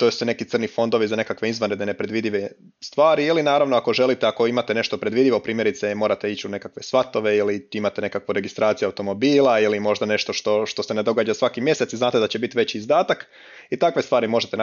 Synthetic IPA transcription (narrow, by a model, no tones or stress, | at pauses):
t̪osine̞kit̪sər̩nifo̞nd̪o̞ʋizane̞kakʋe̞izʋanɾed̪enepɾe̞d̪ʋid̪iʋe | st̪ʋaːɾiilinaːɾaʋnoako̞ʒe̞lit̪eako̞imat̪ene̞ʃt̪o̞pɾe̞d̪ʋid̪iʋo̞pɾiːmje̞ɾit̪semo̞ːɾat̪e̞it͡ɕune̞kakʋe̞sʋat̪o̞ʋe̞iliimat̪ene̞kakʋoɾe̞ɡist̪ɾaːt̪sijuawt̪o̞mo̞biːlˠailimo̞ʒd̪ane̞ʃt̪o̞ʃt̪o̞ʃt̪o̞se̞ned̪o̞ɡaːd͡ʒasʋakimje̞setsiznaːt̪e̞d̪at͡ɕebit̪iʋe̞t͡ɕiːzd̪aːt̪ak | it̪akʋe̞st̪ʋaːɾimo̞ʒet̪e